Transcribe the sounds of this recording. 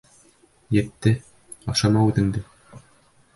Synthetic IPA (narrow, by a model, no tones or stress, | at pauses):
jɘ̆t̪ːɘ | ɑʃɑmɑʉðɘ̆ŋd̪ɘ